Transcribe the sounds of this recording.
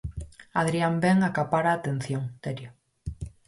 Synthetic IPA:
aðɾiambɛŋakapaɾaːt̪en̟θjoŋt̪eɾjo

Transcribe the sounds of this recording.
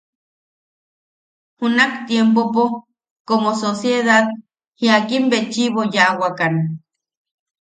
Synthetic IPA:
hunakt̪jempopo | komososjeðað | hiakimbet͡ʃiβojaʔwakan

